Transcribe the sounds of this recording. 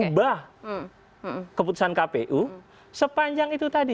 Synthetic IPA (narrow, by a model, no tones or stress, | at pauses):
uba | kəp̬ut̪u̥sankapeʔu | səpaɲd͡ʒaŋit̪ut̪adi